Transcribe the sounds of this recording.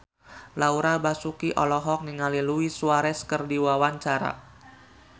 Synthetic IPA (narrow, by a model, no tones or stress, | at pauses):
lauɾabasukiʔɔlɔɦɔk̚niŋaliluisuaɾɛskərdiwawaɲt͡ʃaɾa̰